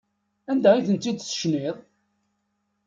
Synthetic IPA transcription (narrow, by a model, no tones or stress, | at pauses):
ænd̪æiθənt̪ːid̪sə̥ʃniðˤ